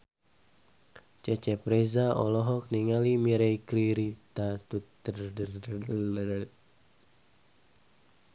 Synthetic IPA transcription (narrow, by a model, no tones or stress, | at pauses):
t͡ʃɛt͡ʃɛpɾɛzaɔ̰lɔɦɔk̚niŋalimiɾɛjkɾiɾit̪at̪ut̪ːərdə